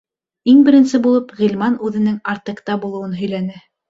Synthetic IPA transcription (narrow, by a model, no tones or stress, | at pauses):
iŋbɘ̆ɾɘ̆nsɘbulˠɤpʁilʲmɑnʉðɘ̆nɘŋɑɾt̪ɤ̆qt̪ɑbulˠɤ̆wɤnɦɵ̆jlænɘ